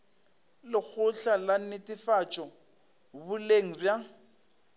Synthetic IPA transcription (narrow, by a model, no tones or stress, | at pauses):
lɪk͡xʰʊɬalan̩nɪtʼɪfat͡ʃʼɔ | bʊleŋ̩rja